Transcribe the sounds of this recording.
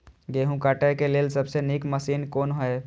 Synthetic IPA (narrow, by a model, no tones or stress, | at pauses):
ɡeɦũkaʈəkeleːlsəbsenikməsiːnkoːnɦəe